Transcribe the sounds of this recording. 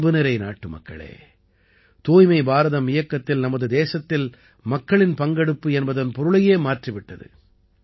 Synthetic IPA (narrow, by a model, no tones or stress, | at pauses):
bɯnɪɾɐɪna̰ːʈːɯmɐ̰kːɐ̰ɭḛː | t̪oːjmɐɪbaːɾɐðɐmɪjɐkːɐt̪ːɪlnɐmɐðɯd̪eːsɐt̪ːɪl | mɐkːɐɭɪnpɐŋɡɐɽɯpːɯɛnbɐðɐnpɔɾɯɭɐjeːmaːrʈrɪʋɪʈːɐðɯ̰